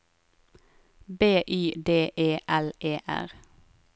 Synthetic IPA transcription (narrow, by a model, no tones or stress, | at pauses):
beːʔyːd̪eːʔeːʔɛlʔeːʔæ̰ʁ